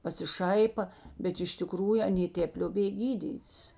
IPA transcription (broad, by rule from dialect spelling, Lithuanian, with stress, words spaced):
pɐsʲɪˈʃɐɪpɐ bʲɛt ɪʃ tʲɪˈkruːjʊ ɐˈnʲeː ˈtʲeːp lʲoːˈbʲeːj ˈɡʲiːdʲiːtʲs